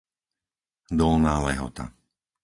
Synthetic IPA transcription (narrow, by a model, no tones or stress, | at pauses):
d̪ɔlnaːlɛɦɔ̰t̪a̰